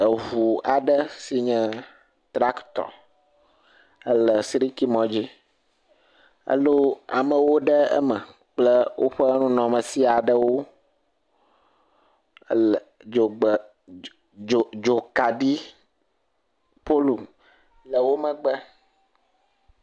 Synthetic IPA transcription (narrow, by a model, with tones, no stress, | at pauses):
ə˨ɦu˨a˨ɖə˦si˨ɲɛ̃˦ | t̪ɾa˦kt̪ɔ̰˨ | ə˦lə˨sɾi˦ki˦mɔ̃˦d͡ʑi˦ | ə̰˦lo˦a̰˨mə̃˨wo˦ɖə˦ə̰˦mə˨ | k͡plə˦wʔo˦ɸə˦nũ˦nɔ̃˨mə̃˨si˦a˨ɖə˦wo˦˨ | o˨ɡ͡b | o˨d͡ʒo˨ka˨ɖi˦ | po˦lu˨m | lə˨wo˦mə̃˨ɡ͡bə˦